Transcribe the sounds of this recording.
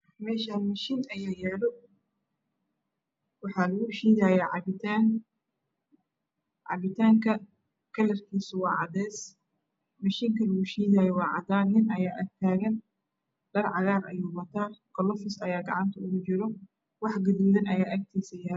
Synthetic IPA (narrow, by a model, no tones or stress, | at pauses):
mɛːʃaːnmɐʃiːnɐjaːjɛːlɔ | wɑħɑːlɐɣʊʃiːðaːjɛʕɑβɪt̪ʰaːn | ʕɑ̰βɪt̪ʰaːŋkʰɐ | kʰɐlɐrkʰiːsʊwɑːʕɑd̪ɛːs | mɐʃiːŋkʰɐlɐɣuʃiːðaːjɔwɑːʕɑ̰d̪aːnːɪnɐjaːʔɐt̪ʰaːɣɐn | ɖ̥ɐrʕɑɣaːɾɐ̰juːwɐt̪ʰaːɡ̥ɔlɔfɪsɐjaːɡɑ̰ʕɑnt̪ʰɐʊɣʊt͡ʃɪɾɔ | wɑħɡɐðuːðɐnɐjaːʔɐk̚t̪ʰiːsɐjɐ